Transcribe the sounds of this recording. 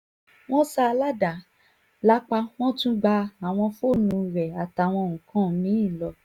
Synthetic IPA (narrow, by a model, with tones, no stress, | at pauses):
w̃ɔ̃˦sa˧la˦da˨˦ | la˦k͡pa˧w̃ɔ̃˦tũ˦ɡ͡ba˧a˨w̃ɔ̃˧fo˦˨nũ˨˧ɾɛ˨a˨ta˨w̃ɔ̃˧ŋũ˨kã˨˦mĩ˨˦ĩ˦˨lɔ˧